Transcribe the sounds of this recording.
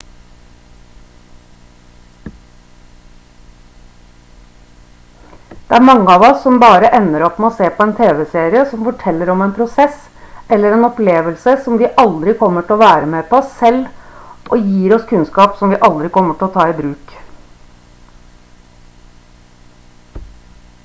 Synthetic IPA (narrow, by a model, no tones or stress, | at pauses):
d̪̥ɛæɾmɑŋːəɑːʋɔsːɔmbɑːɾəʔɛnːəɾɔpːmɛɔːseːpʰɔɛːnt̪ʰeːʋɛseːɾɪəsɔmfɔʈʰɛlːəɾɔmɛnpʰɾʊsɛs | ɛlːəɾɛnɔpleːʋəlsəsɔmʋɪʔɑld̪ɾɪkʰɔmːəʈɪlɔʋæːɾəmeːpʰɔsːɛlːʔojiːɾɔskʰʉnskɑːpsɔmʋɪːʔɑld̪ɾɪkʰɔmːəʈɪlɔt̪ʰɑːiːbɾʉːk